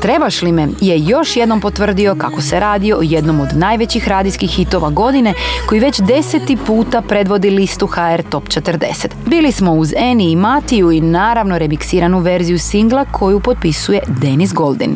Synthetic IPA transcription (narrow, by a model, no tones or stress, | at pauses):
t̪ɾe̞baʃlime̞je̞jo̞ʃjed̪no̞mpo̞t̪ʋr̩d̪io̞kako̞se̞ɾaːd̪io̞ojed̪no̞mo̞d̪naːjʋe̞t͡ɕixɾaːd̪ijskixːit̪o̞ʋaɡo̞d̪ine̞ko̞jiʋe̞t͡ɕd̪e̞set̪ipuːt̪apɾe̞d̪ʋo̞d̪ilist̪uxaeɾt̪o̞pt͡ʃet̪ərd̪e̞̰set̪biːlismo̞uzeniːmat̪ijuinaːɾaʋno̞ɾemiksiːɾanuʋe̞ɾzijusiŋɡlˠakʰo̞jupo̞t̪̚pisuje̞d̪e̞nisɡo̞lˠd̪ḭn